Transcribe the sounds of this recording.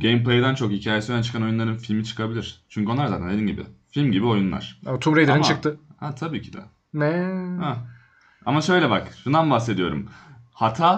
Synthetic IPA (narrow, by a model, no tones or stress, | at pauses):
ɟejmplˠejɯd̪ant͡ʃʰo̞khicʰaːjesiænt͡ʃɯ̥kʰano̞junˠaɾɯnfilʲmit͡ʃʰɯ̥kʰabilʲiɾ̥t͡ʃʰyɲcyonˠaɾzaːt̪ændeiːnʲɟibɪ̰filʲmɟibio̞junlˠa̰ɾ̥at̪ʰumɾejd̪eɾɯnt͡ʃɯk̚t̪ʰɯhat̪ʰabiːcʰid̪ɛ̰ | nɛha | a̰maʃø̞jlʲɛbakʃund̪anbahse̞d̪ijo̞ɾṵmhat̪ʰaː